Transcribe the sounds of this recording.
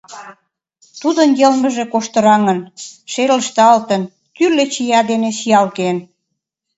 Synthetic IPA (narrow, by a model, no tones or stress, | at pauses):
t̪ud̪ənjelmə̆ʒĕkoʃt̪ə̆ɾɑŋə̆nʃeləʃt̪ɑlt̪ən | t̪yrlet͡ɕijɑd̪eneʃijɑlken